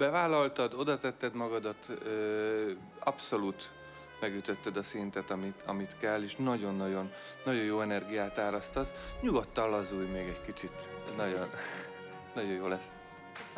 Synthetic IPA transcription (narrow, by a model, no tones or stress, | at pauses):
bɛvaːlɒlt̪ɒd̪o̞d̪ɒt̪ɛt̪ːɛd̪mɒɡɒd̪ɒt̪øː | ɒ̰pso̞luːt̪ | mɛɡjyt̪øt̪ːɛd̪ɒsint̪ɛt̪ɒmit̪ɒ̰mit̪kɛlːeːʃnɒɟo̞nːɒɟo̞nː | ɒɟo̞joːɛnɛrɡijaːt̪aːɾɒst̪ɒsɲuɡot̪ːɒlːɒzuːjmeːɡɛckit͡ʃit̪nɒɟo̞n | nɒɟo̞joːlɛs